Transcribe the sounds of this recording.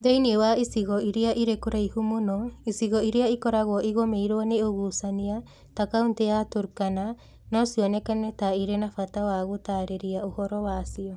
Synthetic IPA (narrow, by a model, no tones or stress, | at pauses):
dejniewaisiɣɔiɾiaʔiɾekoɾaihumonoisiɣoiɾiaikoɾaɣoʔiɣomejɾoaneoɣuːsania | takawnteatoɾukana | nosionekanetaiɾenafatawaɣotaɾeɾiaohoɾoβasio